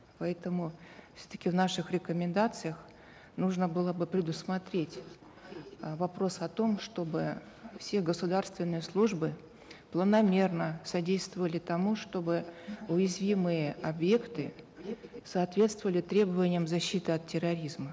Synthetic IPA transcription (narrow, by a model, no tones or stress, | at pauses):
pɐɛt̪əmʊfsʲɵ̥t̪ə̥kʲɪvnaʂɨxɾʲɪkəmʲɪnd̪at̪sɨjəx | nuʐnəbɨlˠəbɨpɾʲɪd̪ʊsmɐt̪ɾʲetʲ | vɐpɾo̞sɐt̪o̞mʂt̪o̞bɨ | fsʲe̞ɡəsʊd̪arst̪vʲɪnːɨjəslˠuʐbɨ | plˠənɐmʲe̞rnəsɐdʲejst̪vəvəlʲɪt̪ɐmuʂt̪o̞bɨʊjɪzvʲimɨjəɐbje̞kt̪ɨ | sɐːt̪vʲe̞t̪st̪vəvəlʲɪt̪ɾʲebəvənʲɪjəmzɐɕːit̪ɨɐt̪̚ʲːɪrɐɾʲizmə